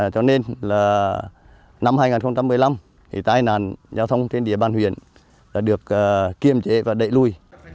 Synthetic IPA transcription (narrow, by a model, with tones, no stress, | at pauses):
t͡ɕɔ˧ne˧nlaː˨˩ | na˧mhaː˧jŋaː˨˩nxə˧wŋ͡mt͡ɕa˧mːɨ˨˩əjla˧m | t̪ʰi˨˩t̪aː˧jna̰ː˧˨˩nzaː˧wt̪ʰə˧wŋ͡mt̪ʰe˧nɗi˨˧˩əɓaː˨˩nhwḭ˧˨ən | laː˨˩ɗɨ˨˩ək̚əː˨˩i˧əmt͡ɕe˨˦vaː˨˩ɗə̰˧˨jlu˧˩j